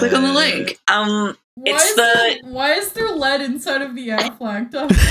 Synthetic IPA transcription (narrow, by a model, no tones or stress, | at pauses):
l̥ɪkn̩ðəlɪ̃ŋkʔʌ̃m | wɨaɪsðɨwaɪɨzðə˞lɛɾɨ̃nsaɪɾʌvðiɛɹflæk̚tʌ